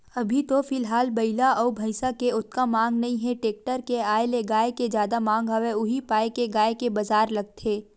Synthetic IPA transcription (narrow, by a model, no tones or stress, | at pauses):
ɐbʱit̪ofɪlɦaːlbɐɪlaʔɔːbʱɐɪsakeʊt̪kamãːŋɡnɐɦĩɦɛ̃ʈeːk̚ʈəɾkeaːeleɡaːeked͡ʒjaːd̪amãːŋɡɦɐʋeʊɦipaːekeɡaːekebɐzaːɾlɐɡ̚t̪ʰeː